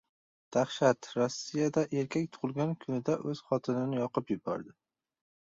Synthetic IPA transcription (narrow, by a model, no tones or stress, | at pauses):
d̪̥aχʃat̪ɾɒsːijad̪aʔe̞ɾkʲʰakʲt̪ʰʊ̥ʁʊlˠɡʲankʰʊnɪd̪aʔɵz̥χɒt̪ʰɪnɪnɪjɒqɨpjʊbɒ̰ɾd̪ɪ